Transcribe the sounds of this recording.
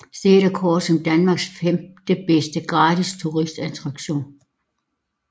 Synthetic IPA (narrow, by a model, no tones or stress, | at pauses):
sd̥eːɾ̥ɐkʰɔ̥ːsɒ̽md̥ænmɑ̈ːɡ̥sfemd̥əb̥esd̥əɡ̥ʁɑ̈ːd̥ʰist͡sʰuʁisd̥æt͡sʰʁɑ̈ɡ̥ɕo̝̰ːn